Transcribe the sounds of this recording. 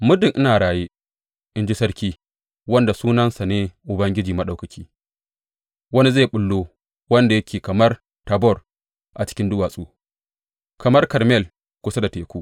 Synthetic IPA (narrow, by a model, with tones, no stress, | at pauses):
mʊ˦dɪ˨ŋʔɪ˦naː˨ɽaː˨jeː˦ | ʔɪ˦nd͡ʒi˦sɐ˦rkʲiː˦ | wɐ˦nda˨suː˦nɐ˦nsa˨neː˦ʔʊ˨bɐ˦ŋɡʲɪ˦d͡ʒiː˨mɐ˦ɗa˨wkɐ˨kʲiː˦ | wɐ˦ni˦zeː˦˨ɓʊ˦lːoː˦ | wɐ˦nda˨jɐ˦kʲeː˨kɐ˨mɐ˦r | ta˨bɔ˦˨r | ʔa˨t͡ʃɪ̥˦kʲɪ˦ndʊ˦waː˨sʼoː˦ | kɐ˨mɐ˦rkɐ˨ɾmɛ˦˨l | kʷʊ˦sa˦da˨teː˨kʷu˦ʔ